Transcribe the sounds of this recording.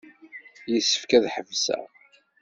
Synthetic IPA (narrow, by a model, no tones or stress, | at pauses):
jəsːə̥fkæðħəvsæ̰